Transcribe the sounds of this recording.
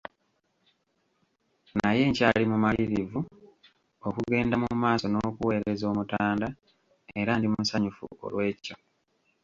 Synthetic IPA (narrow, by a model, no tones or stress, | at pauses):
naje̞ːɲcaːlimumaiɾivu | o̞kuɡe̞ːndamumaːso̞noːkuwe̞ːɾezo̞ːmutaːnda | e̞ɾandimusaɲufṵo̰lwe̞ːco